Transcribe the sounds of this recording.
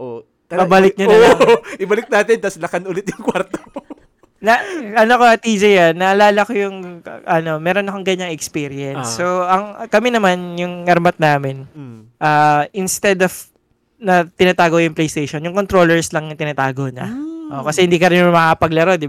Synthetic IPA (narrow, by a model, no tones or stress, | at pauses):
ʔo | pɐbɐlɪk̚ɲɐnɐaʔɪbɐlɪk̚naːt̪ɪnt̪ɐslɐkɐnʔʊlɪt̪jʊŋkwaɾt̪o | nɐʔɐnokoɐt̪id͡ʒejanːɐʔɐlaːlɐkojʊŋʔɐno̞mɛːɾonɐkoŋɡɐɲːaŋɛkspiːɾɪɛnsːoʔɐŋkɐmɛnɐmanjʊŋːɐɾmɐt̪̚naːmɪnʔaːʔɪnst̪ɛd̪ov | nɐt̪ɪnaːt̪aːɡojʊŋplejst̪ejʃonjʊŋkont̪ɾolɛɹslɐŋnɐt̪ɪnaːt̪aːɡonɐʔokɐsɛhɪnd̪iːkɐɾɪnmɐkɐpɐɡlɐɾod̪ɪb